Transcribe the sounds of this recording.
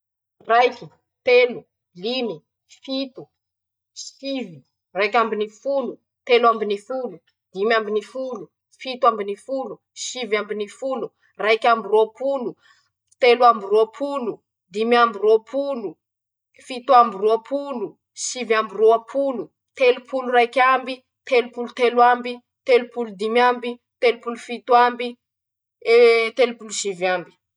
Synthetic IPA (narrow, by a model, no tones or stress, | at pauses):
rajkʲi̥ | t̪elu | lini | fit̪u | sivi | rajkambinifulu | t̪elwambinifulu | d̪imambinifulu | fit̪ambinifulu | ʃivambinifulu | rajkʲambiruapulu | t̪eluambiroapʰulu | d̪imiambiroapʰulu | fit̪uambiruapʰulu | ʃivambiroapʰulu | t̪elupulurakʲambi | t̪elupulut̪elwambi | t̪elupulud̪imjambi | t̪elupulufit̪wambi | et̪elupuluʃivambi̥